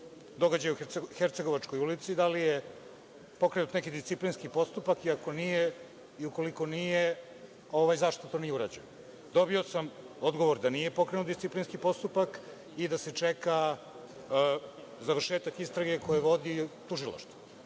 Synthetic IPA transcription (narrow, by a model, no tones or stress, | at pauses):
d̪o̞ɡad͡ʑajuxeɾt̪seɡo̞ʋat͡ʂko̞julit̪sid̪alije | po̞kɾe̞nut̪nekid̪ist̪siplinskipo̞st̪upakiako̞nije | iuko̞liko̞nije | o̞ʋajzaʃt̪ot̪o̞ːnijeuɾa̰d͡ʑḛj | d̪o̞bio̞sam | o̞d̪ɡo̞ʋo̞ɾd̪anije̞po̞kɾenut̪d̪ist̪iplinskipo̞st̪upak | id̪ase̞t͡ʂeka | zaʋr̩ʃeːt̪akist̪ɾaɡe̞ko̞jeʋo̞d̪it̪uʒilˠa̰ʃt̪vo